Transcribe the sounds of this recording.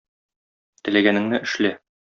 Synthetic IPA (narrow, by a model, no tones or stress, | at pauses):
t̪ɘ̆læɡænɘ̆ŋnɘʔɘ̆ʃlæ